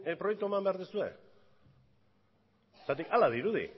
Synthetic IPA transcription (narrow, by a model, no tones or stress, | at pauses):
pɾo̞jek̚t̪ue̞mambe̞aɾðusue̞ | t̪at̪ikalað̞iɾuðḭ